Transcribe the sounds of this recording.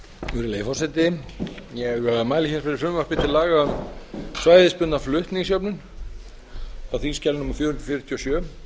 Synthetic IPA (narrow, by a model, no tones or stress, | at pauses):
ɛɣʏɾɪleːjfɔwsɛt̪ɪjɛɣœamaːjlɪçɛsfɛɾɪfɾʏmvaɾpɪt̪ʰɪlaːɣamsvaːjðɪspʏt̪naflʏht̪nɪisjœpnʏn | aθinscɛlnumafjɔːɾhnɾ̥fɪɾt̪ʰjɔsjœː